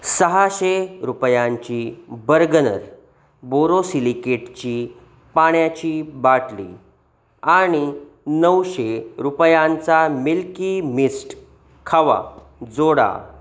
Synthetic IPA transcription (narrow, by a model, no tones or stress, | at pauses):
səɦaɕeɾupjãɲt͡ɕiːbəɾɡənə̰ɾ | boɾosilikeʈt͡ɕiː | paɳjat͡ɕiːbaʈlḭ | aɽ̃i | nəwɕeɾupjãnt͡samilkimisʈ | kʰaʋa̰ | d͡zoɽa̰